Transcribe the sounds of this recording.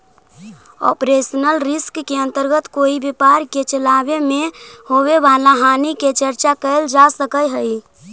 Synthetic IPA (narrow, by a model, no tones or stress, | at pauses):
ɔ̰pɾesənəlɾɪskːeə̃nt̪əɾɡət̪koibepaɾket͡ʃəlabemehowebʱalaɦaniket͡ʃəɾt͡ʃakəɪld͡ʒasəkəjɦəi